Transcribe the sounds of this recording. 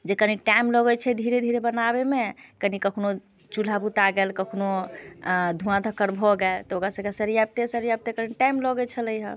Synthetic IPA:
d͡ʒekəniʈajmlɔɡɛt͡ʃʰɛd̪ʱiɾed̪ʱiɾebənabemekənikəkʰno | t͡ʃul̤abut̪aɡelkəkʰno | d̪ʱũãd̪ʱəkəɾbʱɔɡɛlt̪ɔokɾasəkɛsəɾijab̚t̪esəɾijab̚t̪ekəɾniʈajmlɔɡɛt͡ʃʰələjɦə̰

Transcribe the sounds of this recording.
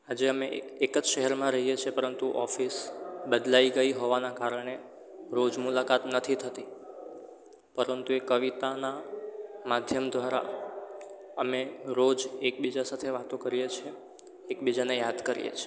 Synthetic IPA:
ad͡ʒeəmeːkəd͡ʒʃəɦɛɾmãɾəɦijet͡ʃʰepəɾənt̪uʔɔfisbəd̪laiɡəiɦoʋanakaɾəɳ̃e | ɾod͡ʒmulakat̪nət̪ʰit̪ʰət̪i | pəɾənt̪uekəʋit̪ana | mad̪ʱjəmd̪ʱʋaɾa̰ | əmeɾod͡ʒek̚bid͡ʒasat̪ʰeʋat̪õkəɾijet͡ʃʰeː | kbid͡ʒanejad̪kəɾḭjḛt͡ʃʰe

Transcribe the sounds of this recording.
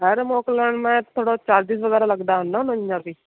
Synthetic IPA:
ɦəɾmoːkləɳmɛ̃ːt̪ʰoːɽõːt͡ʃaːɾd̪iːsʋəɡɛːɾaːləɡd̪aːɦʊnd̪aːnəãːbiː

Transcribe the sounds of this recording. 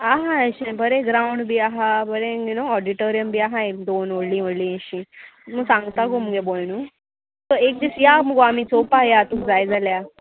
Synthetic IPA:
aɦãəɕebəɾeɡɾawuɳɖbiːaɦabəɾeinoɔɖiʈoɾijəmbiaɦãekd̪onoɽlĩːʋəɽlĩːẽɕĩməɡsãŋɡt̪akoməɡebolnu | t̪ɔek̚d̪isjaməɡoamit͡sopajat̪ũkd͡zajd͡zalja

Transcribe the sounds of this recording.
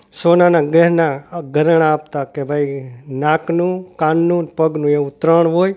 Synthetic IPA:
soːnanaːɡɛɦnaɡʱəɾəɳ̃aːp̚t̪akebʱainaːknũːkãːnːũnpəɡnũːeũt̪ɾəɳɦoːj

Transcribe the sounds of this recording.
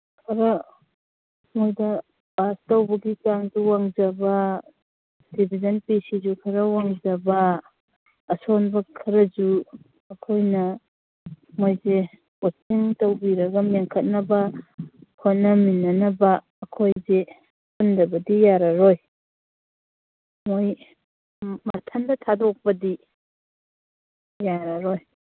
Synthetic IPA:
kʰɐɾɐ | mojdɐ | bastɐwbɐɡikaŋzuwaŋzɐbɐ | d̥ibʱizɐnpisizukʰɐɾɐwaŋzɐbɐː | sonbɐkʰɐɾɐd͡ʒu | ɐkʰojnɐ | mojze | wasiŋtɐwbiɾɐɡɐmeŋkʰɐt̚nɐbɐ | kʰojnɐminːɐnɐbɐː | kʰojze | pundɐbɐdijaɾɐɾoj | moj | mɐtʰɐndɐtʰadok̚pɐdi | jaɾɐɾoj

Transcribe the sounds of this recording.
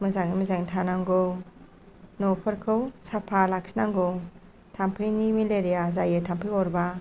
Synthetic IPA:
mɯzaŋimizaŋtʰanaŋɡow | nɔpʰɯɾkʰɯwsapʰalak̚sinaŋɡow | tʰampʰɯnimileɾijazajetʰampʰɯɔɾba

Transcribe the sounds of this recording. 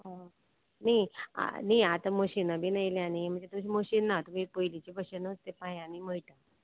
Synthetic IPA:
ɦã | naia̰niat̪aməɕinabʱiːnəjljanim̤ə̃ɳd͡zet̪umɕiməɕiːnːat̪um̤ipojlit͡ɕibəɕənəst̪epajanim̤əɭʈ̪a

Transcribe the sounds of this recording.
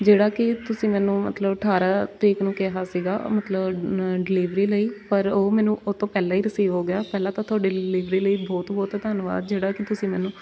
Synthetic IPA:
d͡ʒeːɽaːkɪt̪ʊsĩːmɛːnũːmə̰t̪ləbəʈʰaːɾaːt̪iːknũːkɛɦaːsiːɡa̰ːmət̪ləbɖɪliːʋɾiːləiːpəɾoːmɛːnũːʔoːt̪õːpɛːlãːiːɾəsiːʋɦoːɡɪjaːpɛːlãːt̪ãːt̪ʰaːɖɪliːʋɾiːləiːbɔːt̪bɔːt̪t̪aːnʋa̰ːd̪̚d͡ʒeːɽaːkɪt̪ʊsĩːmɛːnũː

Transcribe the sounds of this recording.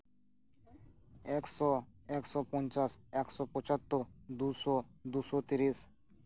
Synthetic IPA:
eksɔ | eksɔpɔ̃nt͡ʃaseksɔpɔt͡ʃat̪ːɔd̪usɔd̪usɔt̪iɾis

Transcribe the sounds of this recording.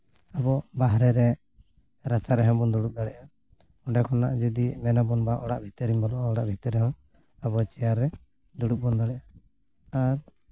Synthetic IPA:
abɔbaɦɾɛɾɛ | ɾat͡ʃaɾɛɦɔ̃bɔnd̪uɽup̚d̪aɽɛʔa | ɔɖakʰɔna̰ʔd͡ʒɔd̪imɛnabɔnbaʔɔɽaʔbʱit̪ɔɾimbɔlɔʔɔɔɽaʔbʱit̪ɔɾɛɦɔ̃ | abɔt͡ʃɛjaɾɛ | d̪uɽuk̚bɔnd̪aɽɛʔa | aɾ

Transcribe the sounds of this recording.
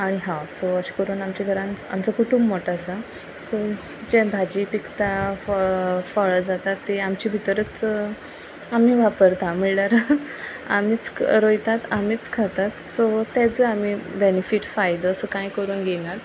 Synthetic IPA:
aɽ̃iɦãwsoəɕe̥kəɾuːnamt͡ɕaɡʱəɾãna̰mt͡səkuʈʰuːmːoʈasa | so | d͡ʑebʱad͡ʑipikt̪affəɭəd͡zat̪at̪ːeamt͡ɕiːbʱit̪əɾət͡s | amiːʋapəɾt̪ãmiɭnaɾ | a̰miːt͡sɾojt̪at̪am̤iːt͡skʰat̪at̪sot̪ɛd͡zəam̤ibenefiʈfajd̪əːsəkãjkəɾuːnɡenat̪

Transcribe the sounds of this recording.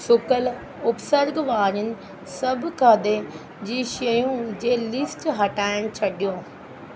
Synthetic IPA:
sʊkəl | ʊpsəɾɡʋaːɾənɪ̆ | sɐbkʰad̪e | d͡ʑiːʃɐjũd͡ʑeːlɪsʈɦɐʈaːɪɽ̃t͡ɕʰɐɗijõː

